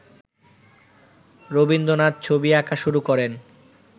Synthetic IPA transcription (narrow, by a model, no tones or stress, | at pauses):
ɾobind̪onad̪̚t͡ɕʰobiakaʃuɾukɔɾen